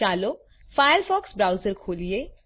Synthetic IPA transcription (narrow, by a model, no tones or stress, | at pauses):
aːloː | faːjəɾfɔːksbɾaːʊzəɾkʰoːlie